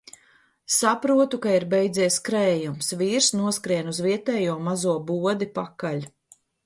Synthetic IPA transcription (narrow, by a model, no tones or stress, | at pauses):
sapɾuɔt̪ukaiɾbɛjd̪ziɛskɾɛːjumsviːɾsnuɔskɾiɛnuzviɛt̪ɛːjuɔmazuɔbuɔd̪ipakalʲ